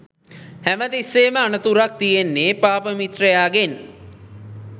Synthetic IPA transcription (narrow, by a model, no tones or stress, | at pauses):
hæmət̪isːeːməanət̪uɾak̚t̪ijenːeːpaːpəmit̪ɾəjaːɡen